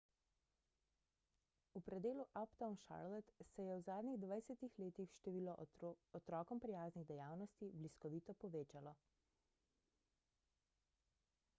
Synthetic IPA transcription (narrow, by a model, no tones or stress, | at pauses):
upɾɛd̪eːluʔapt̪awnʃa̰ɾlɛt̪sɛjɛwzaːd̪niɣd̪ʋajsɛt̪ixleːt̪ixʃt̪ɛʋiːlɔɔt̪ɾɔːkɔmpɾijaːzniɣd̪ɛjaːwnɔst̪ibliskɔʋiːt̪ɔpɔʋeːt͡ʃalɔ